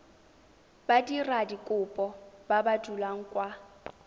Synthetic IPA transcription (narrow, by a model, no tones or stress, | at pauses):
badiradikʼʊpʼɔbabadulaŋ̩kʼwa